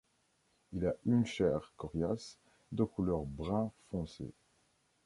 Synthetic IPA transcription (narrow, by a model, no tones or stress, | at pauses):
ilaynʃɛʁkɔʁjas | d̪əkulœʁbʁɛ̃fɔ̃sḛ